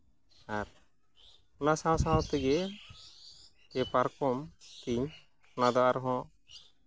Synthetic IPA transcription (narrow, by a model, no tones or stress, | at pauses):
aɾ | ɔnasãsaɔ̃t̪iɡɛ | kɛpaɾkɔmt̪iɲ | nad̪ɔaɾɦɔ̃